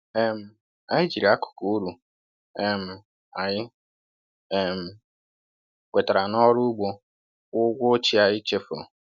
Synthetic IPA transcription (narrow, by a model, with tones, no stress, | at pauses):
ɛ˦m̩˨ | a˦ɲɪ˦d͡ʒi˨ɾi˨a˦kʊ̥˨ko˨u˦ɾu˨ | e˦m̩˨ | a˨ɲɪ˦˨ | m̩˨ | kʷe˨ta˨ɾa˨nɔ˦ɾʊ˦ɡ͡bo˦ | ʊ˦ɡʷʊ˦o˦t͡ʃi˦a˨jɪ˦t͡ʃe˦f